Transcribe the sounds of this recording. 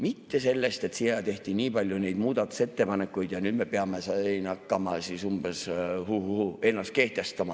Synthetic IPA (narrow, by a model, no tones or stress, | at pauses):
mit̪ːe̞se̞lːe̞st̪e̞t̪sijɑt̪e̞ht̪iniːpɑlʲjune̞jd̪muːd̪ɑt̪ːˑu̥se̞t̪ːe̞pɑne̞kːˑujd̪̥jɑnyːd̪me̞peɑme̞seenɑkːɑmɑsisumbeshuhuhue̞nːɑst̪̚ke̞ht̪e̞st̪ɑmɑ